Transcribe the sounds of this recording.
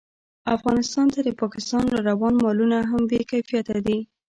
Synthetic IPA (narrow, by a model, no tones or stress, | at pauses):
afɣɑnɪst̪ɑnt̪ad̪əpɑkɪst̪ɑnɾɑɾawɑnmɑlunaɦambekafijat̪ad̪i